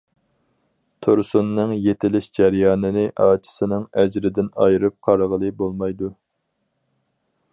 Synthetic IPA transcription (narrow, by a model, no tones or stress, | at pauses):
t̪ʰoɾsunːɨŋjet̪ʰɪlɪʃd͡ʒæɾjɑːnɨnɪʔɑːt͡ʃʰi̥sɪnɨŋæd͡ʒɾɪd̪ɪnɑ̰jɾɨp̚qʰɑɾʁəlˠɨbolˠmɑjd̪u